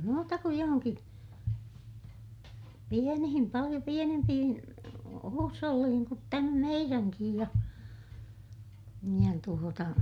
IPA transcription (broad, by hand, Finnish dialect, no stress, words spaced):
muːtɑ kuj johoŋki pienihim pɑlij̆o pienempihin huːsholːiːhiŋ kut tæmæ meiræŋkij jɑ jɑ tuotɑ